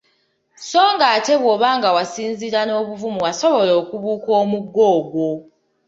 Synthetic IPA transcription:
so̞ːŋɡaːte̞βwo̞ːβaːŋɡawasiːnziɾano̞ːβuvumuwaso̞βo̞lo̞ːkuβuːko̞ːmuɡːo̞ːɡwo̞

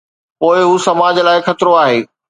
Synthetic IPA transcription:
poːɪɦuːsɐmaːd͡ʑlaːɪxɐt̪ɾoaːɦeː

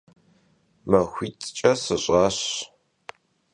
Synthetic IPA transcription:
mɐxʷiːt͡sʼt͡ʃʼɐsɨɕʼɑːɕ

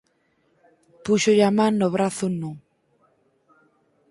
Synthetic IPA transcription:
puʃoʎamãːoβɾaθʊnu

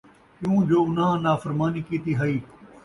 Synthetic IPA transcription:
kjũːd͡ʒoːʊnãːnaːfəɾmaːniːkiːt̪iːɦaiː

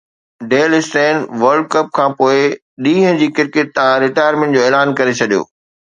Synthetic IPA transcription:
ɖeːlɪsʈẽːnʋɐɾɖ̚kɐp̚kʰãːpoːɪ | ɗĩːɦə̃d͡ʑiːkɪɾkɪt̪̚ːɐãɾɪʈaːjəɾmẽːɳʈd͡ʑoːeːlaːnkɐɾet͡ɕʰɐɗijo̰ː

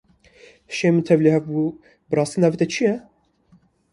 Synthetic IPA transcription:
ʃemɨt̪ʰɛvlihɛvbu | bɨrˤɑːst̪inaːvit̪ɛt͡ʃʰijɛ

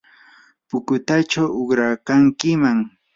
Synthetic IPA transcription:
pʊkʊt̪at͡ʃawʊχɾakaŋkɪmaŋ

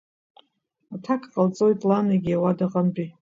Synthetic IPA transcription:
atʰakʰʼqʼalt͡sʼojtʼlanaɡʲiawadaqʼampʼi

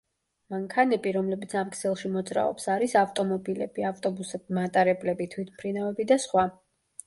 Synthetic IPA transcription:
maŋkʰanɛbiɾɔmlɛbit̪sʰamkʼʰsɛlˠʃimɔd̪zɾa̰ɔ̰psaɾisaft̪ʼɔmɔbilɛ̰biaft̪ʼɔbusɛb̚mat̪ʼaɾɛblɛbit̪ʰwit̪ʰmpʰɾinavɛbid̪asχwa

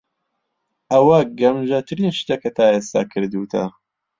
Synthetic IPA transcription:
ʔɐwɐɡɐmʒɐt̪ʰɨɾinʃt̪ekɐt̪ʰaːeːst̪a̰kʰɨɾd̪uːt̪ʰɐ̰

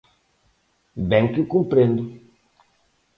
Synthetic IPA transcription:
bẽŋkikũmpɾẽnd̪u

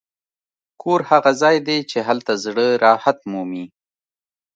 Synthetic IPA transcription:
kʰoɾhaɣazɑːjd̪et͡ʃeɦalt̪azɽəɾɑːhat̪mumi

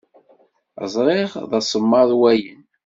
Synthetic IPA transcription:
ə̰zˤɾeʁðɑsˤəmːɑðˤwæjən

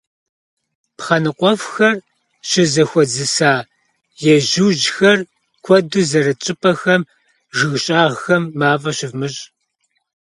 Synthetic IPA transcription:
pχɐnɨqʷʼɔfxɐr | ɕɪzɐxʷɔd͡zɨsaː | jɛʒɨwʒxɐr | kʷʰɔduzɐɾɐt͡ʃʼɪpʰʼɐxɐm | ʒɨɣɕʼaːʁxɐmːaːvɐɕɪvmɨɕʼ

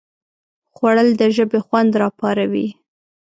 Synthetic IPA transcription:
xwaɽəld̪əʒəbexwand̪ɾɑpɑɾawi

